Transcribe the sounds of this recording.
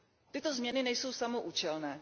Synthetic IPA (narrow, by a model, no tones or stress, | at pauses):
t̪ɪt̪o̞zmɲɛnɪnɛjso̞wsamoʔuːt͡ʃɛlnɛː